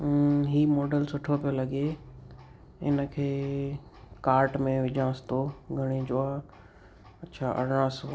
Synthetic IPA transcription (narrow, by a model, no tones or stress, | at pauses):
ɦiːmɔːɖəlsʊʈʰopijolɐɡe | ɦɪ̰nəkʰeː | kaːɾʈmẽʋɪd͡ʑãːst̪oːɡʱɐɽ̃ed͡ʑoa | ɐtːɕʰaːʔɐ̰ɾɽ̃ãːso